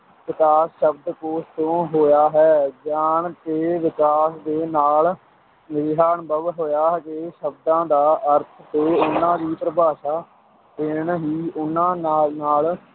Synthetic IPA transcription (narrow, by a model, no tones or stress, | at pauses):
ʋɪkaːsʃəbd̪koːst̪õːɦoːjaːɦɛːd͡ʒaːneːʋɪkaːsd̪eːnaːl | nɪɾɦaːnbəʋɦoːjaːɦkeːʃəbd̪ãːd̪aːʔəɾt̪ʰt̪eːʊnːãːd̪iːpəɾəbʱaːʃaː | d̪eːɳɦiːʊnːãːnaːnaːl